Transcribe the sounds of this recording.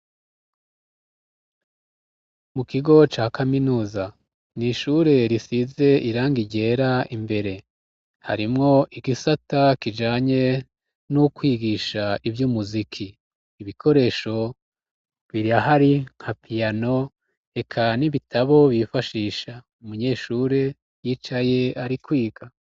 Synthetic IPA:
mukiɡo̞t͡ʃaːkaminuːza | niʃuːɾe̞ɾisize̞ʔiɾaːŋɡiɟe̞ɾaimbe̞ɾe̞ | ha̰ɾimŋo̞ʔiɡisatakid͡ʒaːɲe̞ | nukwiːɡiʃaivjumuzikʰiː | βikʰo̞ɾe̞ːʃo̞ | βiɾiahaɾiŋ̥hapʰijano̞ | e̞kʰaniβitʰaβo̞βifaʃiːʃa | umuɲe̞ːʃuːɾe̞ | jiːt͡ʃaje̞aɾikwiːɡa

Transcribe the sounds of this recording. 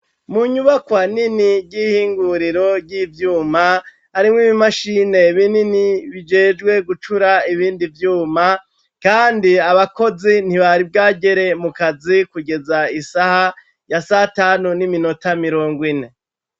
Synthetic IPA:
muɲuβakwaniniɾɟiːhiːŋɡuɾiɾo̞ɾɟivjuːma | haɾimŋiːβimaʃiːne̞βininiβid͡ʒeːd͡ʒɡwe̞ɡut͡ʃuɾaiβiːndivjuːma | kaːndiaβako̞zin̥hiβaɾib̚ɡaːɟe̞ɾe̞mukazikuɡe̞zaisaha | jasataːnunimino̞tamiɾo̞ːŋɡwine̞

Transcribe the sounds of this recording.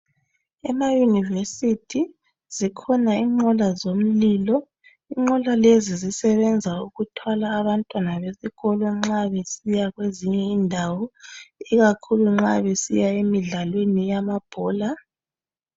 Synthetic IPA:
ɛmajunivesitʰi | z̥ikʰɔnaiŋ͡ǃɔlazom̩liːlɔ | iŋ͡ǃɔlalezizisɛβɛnd͡zʱauɣutʰwalaːβantʼwanaβesiɣɔlɔŋ͡ǁaβesijaɣweziɲɛindʱawɔiɣakʰuluŋ͡ǁaβesḭjaemiɮalwenijamab̥ʱɔːla

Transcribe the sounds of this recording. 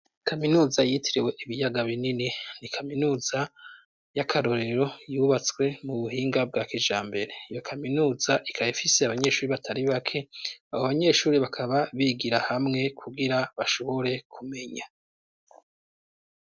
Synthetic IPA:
kʰaminuːzajitʰiɾiwe̞ʔiβijaɡaβinininikʰaminuːza | jakʰaɾo̞ɾe̞ɾo̞juːβat͡skwe̞muβuɦiːŋɡab̚ɡaːkid͡ʒaːmbe̞ɾe̞ijo̞kʰaminuːzaʔikʰaifiseaβaɲe̞ʃuːɾiβatʰaɾiβakʰe̞aβoβaɲe̞ʃuːɾiβakʰaβaβiːɡiɾahamŋe̞kʰuɡiɾaβaʃo̞βo̞ɾe̞kʰume̞ɲa

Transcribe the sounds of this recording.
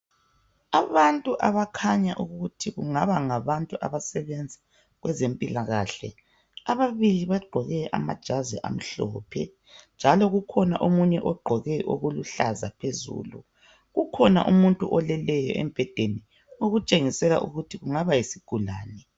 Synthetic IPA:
aβantʼuʔaβakʰaɲaʔuɣɣutʰiɣuŋaβaŋaβantʼuʔa̰βasɛβɛnd͡zʱa | ɣwɛzempʼilaɣaːɬɛ̰ | aβaβiliβaɡ͡ǃʱɔɣɛʔa̰ma̰d̥ʒ̥ʱazɛ̰ʔa̰m̩ɬɔ̰ːpʰɛ̰ | nd͡ʒʱalɔɣukʰɔnaʔomuɲɛʔɔɡ͡ǃʱɔɣɛʔo̰ɣuluɬazapʰezṵːlṵ | ɣukʰɔna̰ʔumuntʼuʔɔlɛlɛjɔʔɛ̰mb̥ʱɛd̥ʱeni | oɣut͡ʃʼeŋisɛla̰ʔṵɣutʰiɣuŋaβajisiɡ̥ʱula̰ːnɛ

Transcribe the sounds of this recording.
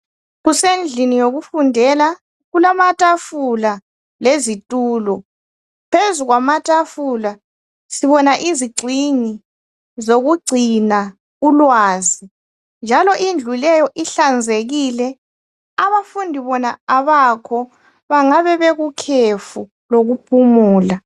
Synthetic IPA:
ɣusend͡ɮʱinijoɣufundʱɛla | ɣulamatʼafula | lezitʼuːlɔ | pʰezuɣwamatʼafula | siβɔnaʔiziɡ͡ǀʱiɲi | zoɣuɡ͡ǀʱina | ulwaːzi | nd͡ʒʱalɔʔind͡ɮʱulɛjɔʔiɬand͡zʱeɣilɛ | aβafundʱiβɔnaaβakʰɔ | βaŋaβɛβɛɣukʰefu | loɣupʰumuːla

